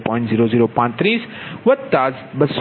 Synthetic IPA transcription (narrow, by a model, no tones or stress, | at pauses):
pɔ̃ːjɪ̃ɳʈziːɾoziːɾopãːɲt̪ɾiːsʋɐd̪̚t̪aːz | bɐs